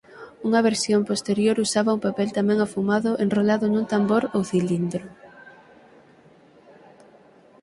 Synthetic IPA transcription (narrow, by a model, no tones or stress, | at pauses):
uŋɐβ̞eɾsjompost̪eɾjoɾusaβaupapɛlt̪amɛ̃ŋafumaðʊʔenrolaðʊnũnt̪amboɾowθilind̪ɾʊ